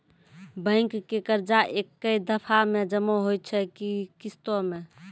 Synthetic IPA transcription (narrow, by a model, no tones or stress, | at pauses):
bə̃ɪkːekəɾd͡ʒaʔekːəid̪əpʰamed͡ʒəmoɦoj̪̚t͡ʃʰɛkikist̪ome